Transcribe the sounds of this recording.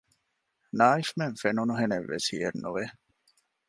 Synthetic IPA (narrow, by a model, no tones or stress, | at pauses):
naːifmeŋfenunuɦeneʋːḛshḭjḛnːuʋe